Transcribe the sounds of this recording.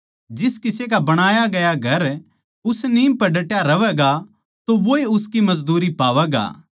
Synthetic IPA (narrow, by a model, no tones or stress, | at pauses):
d͡ʒɪskɪsek̬abɐɽ̃aːjaɡɐjaɡʱɐɾ | ʊsniːmpɛɖɐʈjaɾɐʋɛɡa | t̪oʋoiʊskimɐzd̪uːɾipaːʋɛɡa̰ː